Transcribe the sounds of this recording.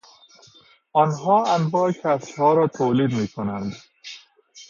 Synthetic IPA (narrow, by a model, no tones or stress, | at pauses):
ɔnɦɔːæ̃nbəkhæshɔːɾɔːt̪ʰoːliːd̪miːkʰonæ̃nd̪